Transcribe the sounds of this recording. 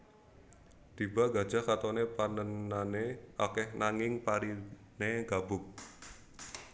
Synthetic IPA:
d̪̥iba̤ɡad̥ʒ̥a̤kat̪ɔnepanənːaneʔakɛhnaŋɪŋpaɾi | neɡ̥ab̥ʊk̚

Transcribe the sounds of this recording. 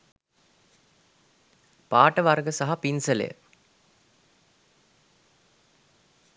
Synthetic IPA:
paːʈəʋarɡəsaɦapinsəlḛjə̰

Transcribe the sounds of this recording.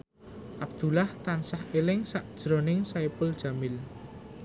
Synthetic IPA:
ʔab̥̚d̪̥ulaht̪ansahelɪŋsaʔd̥ʒ̥ɾɔ̤nɪŋsaepʊld̥ʒ̥a̤mɪl

